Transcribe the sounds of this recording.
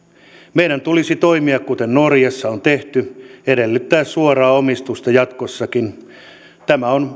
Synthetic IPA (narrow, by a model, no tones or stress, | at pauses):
meiɾænt̪ulisit̪oimiɑkkut̪ennorjɑsːɑont̪eht̪yeɾelːyt̪ːæːssuorɑːomist̪ust̪ɑjɑt̪kosːɑkin | t̪æmæon